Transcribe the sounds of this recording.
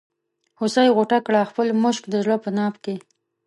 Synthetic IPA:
hʊsajɣoʈakɽaxpəlmʊʃkd̪əʒlopənɑpke

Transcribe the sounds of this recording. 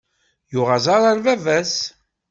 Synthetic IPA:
jʊʁazɑɾˤɑɾvævæs

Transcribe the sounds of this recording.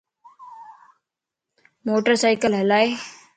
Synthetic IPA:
moːʈəɾsaːɪkəlɦəlaːe

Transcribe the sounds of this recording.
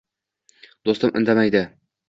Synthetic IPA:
d̪ost̪ɤmʔɵ̆nd̪æmæjd̪ɘ

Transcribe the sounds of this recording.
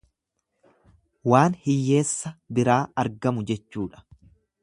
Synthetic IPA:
waːnhɪjːe̞ːsːɐbɪɾaːɐɾɡɐmʊd͡ʒɛt͡ʃːuːᶑɐ̥

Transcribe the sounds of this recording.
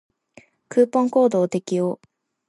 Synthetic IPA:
kɯːpːõ̞ŋko̞ːd̪o̞ːt̪e̞kʲijoː

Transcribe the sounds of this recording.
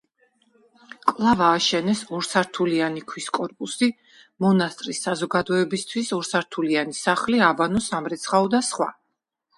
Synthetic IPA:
kʼlˠavaːʃɛnɛsuɾsaɾt̪ʰulianikʰwiskʼɔɾpʼusi | mɔnast̪ʼɾisːazɔɡad̪ɔɛbist̪ʰwisuɾsaɾt̪ʰulianisaχliabanɔsamɾɛt̪sʰχaɔd̪asχwa̰

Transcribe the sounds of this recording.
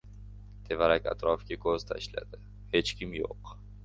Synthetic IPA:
t̪ʰe̞vaɾakʲa̰t̪ɾɒfkʲɪkʰozt̪ʰa̰ɪʃla̰d̪ɪ | he̞t͡ʃkʲɪmjo̰q

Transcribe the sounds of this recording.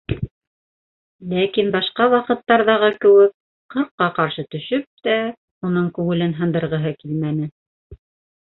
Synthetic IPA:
lækinbɑʃqɑwɑqɤ̆t̪ːɑɾðɑʁɤkɘ̆wɘk̚ | qɤ̆ɾqːɑqɑɾʃɤt̪ɵ̆ʃɵp̚t̪æ | unɤɴkʉŋɘ̆lɘnɦɤ̆nd̪ɤ̆ɾʁɤ̆ɦɤkilmænɘ

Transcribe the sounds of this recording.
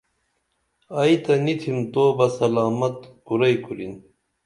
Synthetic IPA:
ɐjt̪ɐnit̪ʰimt̪oːbɐsɐlaːmɐt̪kuɾɐjkuɾin

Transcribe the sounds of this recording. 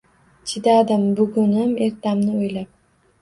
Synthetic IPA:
t͡ʃʰɪd̪ad̪ɪmbʊɡʊnɪme̞ɾt̪amnɪojlap̚

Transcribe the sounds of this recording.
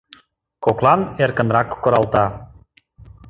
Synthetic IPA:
koklɑnerkə̆nrɑkːə̆ɾɑlˠt̪ɑ

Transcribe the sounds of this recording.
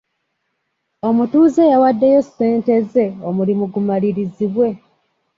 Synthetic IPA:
o̞mutuːze̞jawadːe̞jo̞se̞ːnte̞ze̞omulimuɡumaliɾiziβwe̞

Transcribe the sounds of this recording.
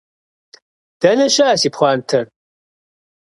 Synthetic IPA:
d̥ɐnɐɕɐaːsipχʷɑːntʰɨr

